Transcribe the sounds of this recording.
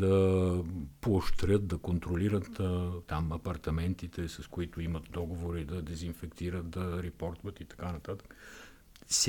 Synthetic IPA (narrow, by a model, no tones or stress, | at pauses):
d̪ɐ | pooʃt̪ɾjət̪̚d̪ɐkont̪ɾoliɾət̪t̪amɐpɐɾt̪ɐmɛnt̪it̪ɛsɐskoit̪oimɐt̪̚d̪ɔɡovoɾid̪ɐd̪ɛzinfɛkt̪iɾət̪̚d̪ɐɾɛpɔɾt̪ovət̪it̪ɐ̥kanɐt̪at̪ə̥k | s